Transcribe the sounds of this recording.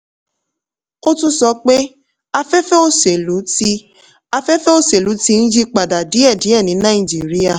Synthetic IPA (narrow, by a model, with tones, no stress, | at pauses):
o˦tũ˦sɔ˧k͡pe˦ | a˧fɛ˦fɛ˦o˦se˨lu˨˦ti˧ | a˧fɛ˦fɛ˦o˦se˨lu˨˦ti˧n̩˦d͡ʒi˦k͡pa˨da˨di˨˦ɛ˦˨di˨˦ɛ˦˨nĩ˨˦nã˦ĩ˦˨d͡ʒi˨˦˨ɾi˦ja˦˨